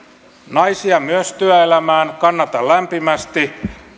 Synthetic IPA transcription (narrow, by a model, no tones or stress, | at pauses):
nɑjsiɑmyøst̪yæelæmæːnkɑnːɑt̪ɑllæmpimæst̪i